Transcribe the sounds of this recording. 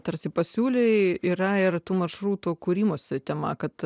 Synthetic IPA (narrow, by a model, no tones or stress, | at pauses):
t̪ɐɾʲsʲɪpɐsʲuːlʲeiːɾɐɪrt̪uːmɐrʃɾuːt̪uːkuːɾʲiːmoːsʲɪt̪ʲɛmɐkɐt̪